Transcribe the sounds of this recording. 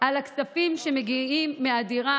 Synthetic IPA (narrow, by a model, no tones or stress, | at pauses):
ʔalaksafimʃemeɡiimːeadiʁa